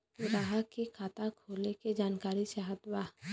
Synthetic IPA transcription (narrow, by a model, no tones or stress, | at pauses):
ʊɾaɦakekʰaːt̪akʰoːleked͡ʒaːnkaːɾisaɦəd̪wa